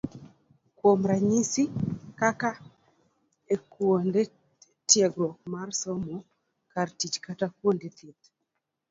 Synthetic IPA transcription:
kwomɾaɲisikaka | ekwonde | tjɛɡɾɔk̚marsɔmɔ | kartit͡ʃkatakwondet̪ɪt̪

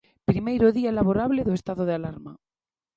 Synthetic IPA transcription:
pɾimejɾoðiaelaβoɾaβlɪðoest̪aðoð̞ealaɾma

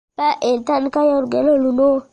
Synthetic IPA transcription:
paʔetankajɔɾɡeloluno

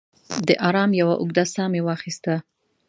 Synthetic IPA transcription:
d̪əʔɑɾɑmjawaʔʊɡd̪asɑmewɑxist̪a

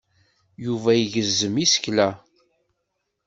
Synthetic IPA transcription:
juvæjiʝəzːəmisə̥çlæ

